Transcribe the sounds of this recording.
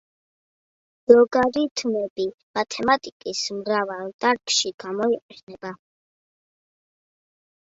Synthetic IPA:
zɔɡaɾit̪ʰmɛbi | mat̪ʰɛmat̪ʼikʼismɾavalˠt̪ʼaɾkʃiɡ̥amɔiqʼɛnɛba

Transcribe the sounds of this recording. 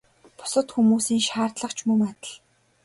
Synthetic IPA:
pʊ̥sə̆t̪xumuːsiːŋʃaːrt̪ɮə̆χt͡ɕʰmɵmat̪ə̆ɮ

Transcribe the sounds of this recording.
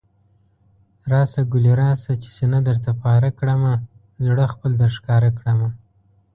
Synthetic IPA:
ɾɑsaɡʊliɾɑsat͡ʃe̥senad̪əɾt̪apɑɾakɽəma | zɽəxpəld̪əɾʃkɑɾakɽəma

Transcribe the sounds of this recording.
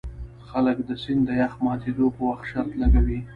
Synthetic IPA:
xaləkd̪əsind̪əjaxmɑt̪ed̪opəwaxt̪ʃaɾt̪laɡawi

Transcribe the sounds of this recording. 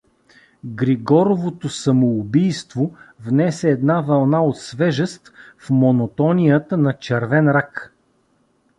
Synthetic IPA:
ɡɾiɡɔɾovot̪osɐmoːbijst̪vovnɛsɛːd̪navɐlˠnaot̪svɛʒəst̪fmonot̪ɔnʲijət̪ənɐt͡ʃɛɾvɛnɾak

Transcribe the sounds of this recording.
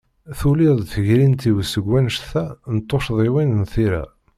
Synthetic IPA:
θuliðˤθəʝɾint̪iwəsəɡʷːænʃθænt̪ˤːoʃðˤiwinənθiɾæ̰

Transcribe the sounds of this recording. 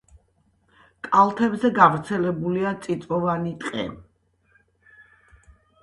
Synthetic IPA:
kʼalˠt̪ʰɛbzɛɡavɾt̪sʰɛlɛbuliat̪sʼit̪sʼvɔvanit̪ʼqʼɛ̰

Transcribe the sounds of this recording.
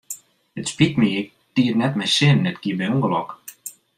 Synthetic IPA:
ətspitmiə | tiətnɛtmɛjsɪnːɛtkiəbɛjuŋɡəlɔk

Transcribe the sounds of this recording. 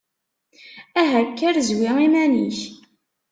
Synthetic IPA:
æɦækːæɾzwiimæniç

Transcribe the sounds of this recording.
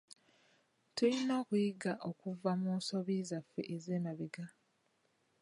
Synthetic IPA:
tulino̞ːkujiɡaʔo̞kuvamuːso̞βizafːe̞ʔezeːnaβiɡa

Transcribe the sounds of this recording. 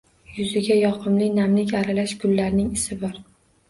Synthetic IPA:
jʊzɪɡʲajɒqʰɨmlɪnamlɪkʲaɾalaʃkʰʊlːaɾnɪŋɪsɪbɒɾ

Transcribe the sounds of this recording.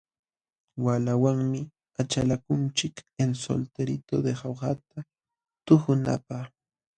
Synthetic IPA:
walawaŋmɪ | at͡ʃalakʊnt͡ʃɪkenso̰lt̪eɾɪt̪od̪ehoɢɑt̪a | t̪ʊxʊna̰pɑχ

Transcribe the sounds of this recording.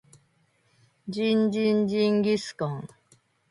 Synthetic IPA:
d͡ʑind͡ʒind͡ʒiŋɡiskɔŋ

